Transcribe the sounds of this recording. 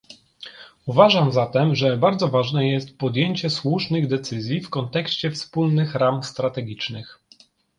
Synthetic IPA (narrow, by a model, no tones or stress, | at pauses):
uvaʐamzat̪ɛmʐɛbaɾd̪zɔvaʐnɛjɛst̪̚pɔd̪jeɲt͡ɕɛswuʂnɘɣd̪ɛt̪sɘzʲjifkɔnt̪ɛkɕt͡ɕɛfspulnɘxɾamst̪ɾat̪ɛɡʲit͡ʂnɘx